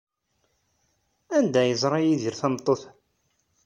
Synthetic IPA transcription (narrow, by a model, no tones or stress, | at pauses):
ænd̪æjəzˤɾˤɑjiðiɾθæmt̪ˤːoθ